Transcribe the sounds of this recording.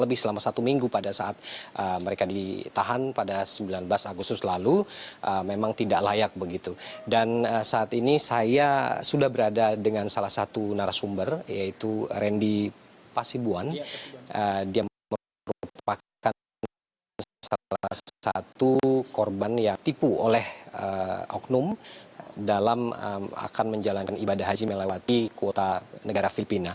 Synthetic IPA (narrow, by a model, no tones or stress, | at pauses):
ləbɪhsəlamasat̪umiŋɡupadasaʔat̪̚ʔəməɾekadit̪aɦanpadasəmbilanblasaɡust̪ʊslaluʔəmemaŋt̪idaʔlajak̚bəɡit̪udanəsaːt̪inisajasudahbəɾadadəŋansalahsat̪unaɾasumbərjait̪uɾɛndi | pasibuanədia | ə | ɾpa | ka | salaa̰t̪ukɔrbanjaŋt̪ipuolɛhəʔɔ̰knʊm | dalamə̰a̰kanməɲd͡ʒalankanibadaɦad͡ʒimelewat̪ikuot̪anəɡaɾafilipina